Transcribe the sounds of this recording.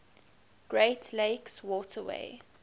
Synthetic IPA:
ɡ̥ɹeɪtʰleɪkswɔːtʰəwḛɪ

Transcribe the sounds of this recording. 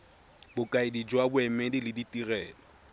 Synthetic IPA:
bʊkʼaɪdid͡ʒwabʊɛmɛdɪlɪditʼirɛːlɔ

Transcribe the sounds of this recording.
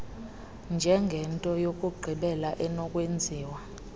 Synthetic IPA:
nd͡ʒʱɛŋɡʱɛntʼɔjokʼuɡ͡ǃʱiɓɛlaʔɛnɔkʼwend͡zʱiːwa

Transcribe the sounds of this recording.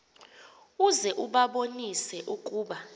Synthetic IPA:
uzɛʔuɓaɓonisɛʔukʼuːɓa

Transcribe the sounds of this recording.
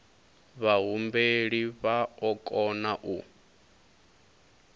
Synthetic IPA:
βaɦumbeɺiβaɔkʼɔnaʔu

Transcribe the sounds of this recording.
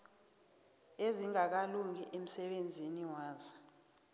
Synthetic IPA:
eziŋak̬aluŋiʔem̩sɛɓend͡zʱiniwaːzɔ

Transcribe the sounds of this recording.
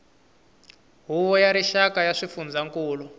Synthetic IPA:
ɦuβɔjaɾiʃakajaʂifund͡zaŋkuːlu

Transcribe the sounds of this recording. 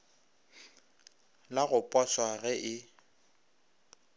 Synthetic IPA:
laɣʊpʼaswaɣɛʔɪ

